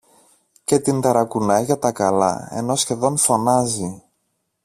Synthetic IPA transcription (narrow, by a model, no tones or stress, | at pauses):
ce̞t̪ind̪ɐɾɐkunɐjʝɐt̪ɐkɐlɐ̰e̞̰no̞sçe̞ðo̞nfo̞nɐzi